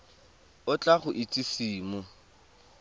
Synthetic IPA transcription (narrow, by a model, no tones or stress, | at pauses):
ʊt͡ɬʼaχʊʔitʼisiːmʊ